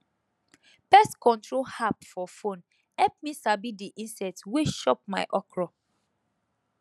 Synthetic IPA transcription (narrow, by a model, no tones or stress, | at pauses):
pɛstkɔ̃ntɹolhapfɔfõn | hɛlp̚misabidiʔĩnsɛtweʃɔp̚maɪʔɔkɹɔ